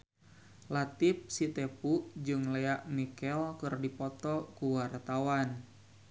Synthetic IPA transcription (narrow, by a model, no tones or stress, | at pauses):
lat̪ip̚sit̪ɛpud͡ʒɨŋlɛaʔmikɛlkɨrdipɔt̪ɔkuwart̪awan